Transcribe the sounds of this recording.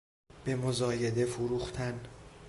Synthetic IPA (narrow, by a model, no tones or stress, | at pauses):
b̥e̞mozɒːje̞d̪e̞fuɾuːxt̪ʰæn